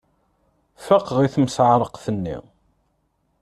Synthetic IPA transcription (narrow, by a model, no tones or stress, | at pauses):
fəqːʁiθmsʕɾˤəqθənːḭ